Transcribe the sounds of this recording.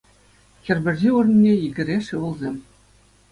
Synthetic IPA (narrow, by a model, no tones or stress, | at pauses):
xʲɘ̆rʲbʲɘ̆rʲʑiurnʲnʲeiɡʲɘ̆rʲeʂɯʋɤ̆lˠzʲemʲ